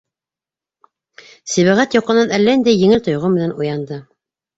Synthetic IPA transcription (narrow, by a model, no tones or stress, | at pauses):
sɘ̆βæʁæt̪jɑqːɤ̆nɑnælːæind̪æjɘ̆ŋɘlt̪ŏjʁɤmɘ̆nænujɑnd̪ɤ